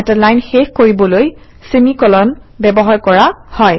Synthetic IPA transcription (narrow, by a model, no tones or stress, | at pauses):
ɛtalajnxexkoɹibɔloj | semikɔlɔnbɛbɔɦaɹkɔɹahɔj